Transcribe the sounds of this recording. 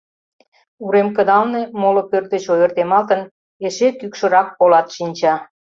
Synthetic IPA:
uɾemkəd̪ɑlne̽molŏpørt̪ə̆t͡ɕojərt̪emɑlt̪ən | eʃekykʃə̆ɾɑk̚ːolɑt̪ʃinʲt͡ɕɑ

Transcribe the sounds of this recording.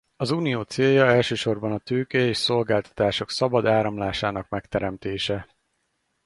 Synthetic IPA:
ɒzuːnijoːt̪seːljɒɛlʃøːʃo̞rbɒnɒt̪øːkɛeːʃso̞lɡaːlt̪ɒ̥t̪aːʃo̞ksɒbɒd̪aːɾɒmlaːʃaːnɒkmɛkt̪ɛɾɛmt̪eːʃɛ

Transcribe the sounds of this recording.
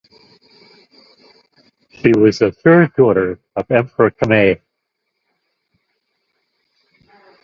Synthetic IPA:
ʃiwʌzɨθɜ˞ddɔɾə˞ | ʌvɛ̃mpʰə˞ɨkʰɨmeɪ

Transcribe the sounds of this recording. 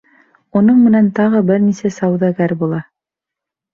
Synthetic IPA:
unɤɴmɘ̆nænt̪ɑʁɤbɘɾnisæsɑwðɑɡæɾbulˠɑ

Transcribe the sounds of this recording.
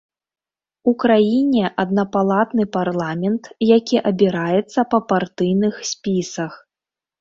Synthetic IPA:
ukɾajinʲɛʔɐd̪̚nɐpalˠat̪nɨparlˠamʲɛnt̪jakʲiʔɐbʲiɾajɛt̪sːɐpɐpart̪ɨjnɨxsʲpʲisɐx

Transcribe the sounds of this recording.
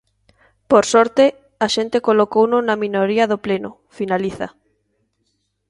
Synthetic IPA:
poɾsɔɾt̪e | aʃent̪ekolokownʊnaminoɾiɐðoplenʊ | finaliθa̰

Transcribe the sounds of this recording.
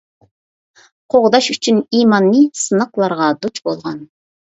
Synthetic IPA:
qʰoʁd̪ɑʃyt͡ʃʰyniːmɑnːɨsɨnəqlˠɑɾʁɑd̪ut͡ʃʰbolˠʁɑn

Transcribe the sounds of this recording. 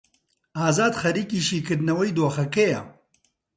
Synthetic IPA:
aːzaːd̪xɐɾiːkiːʃiːkɨɾd̪nɐwɐjd̪oːxɐkɛjɐ̰

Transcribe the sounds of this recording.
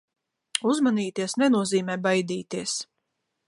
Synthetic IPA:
uzmaniːt̪iɛsnɛnuɔziːmɛːbajd̪iːt̪iɛs

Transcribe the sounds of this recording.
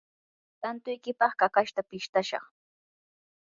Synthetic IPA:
t̪ant̪ʊjkɪpɑχkakaʃt̪apɪʃt̪aʃɑ̰χ

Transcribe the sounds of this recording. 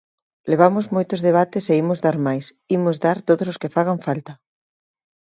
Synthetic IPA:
leβamʊzmojt̪ʊzðeβ̞at̪ɪseimʊzðaɾmajs | imʊzðaɾt̪oðososkɪfaɣ̞aɱfalt̪ɐ

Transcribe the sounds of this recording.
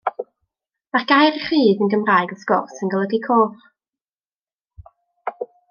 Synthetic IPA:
marɡ̥ajɾiχiːðənɡəmraːjɡɔskɔrsənɡəlˠəɡikʰoːvχ

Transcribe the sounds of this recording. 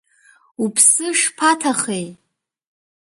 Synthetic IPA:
upʰsɨʂpʰatʰaχej

